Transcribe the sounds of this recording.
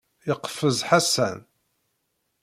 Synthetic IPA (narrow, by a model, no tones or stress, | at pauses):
jəqːfəzħasːæ̰n